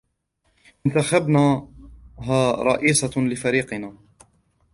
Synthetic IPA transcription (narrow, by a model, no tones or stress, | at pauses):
ʔɪnt̪axabnaː | ɦaːɾˤɑ̰ʔiːsˤɑlɪfaɾiːqɪnaː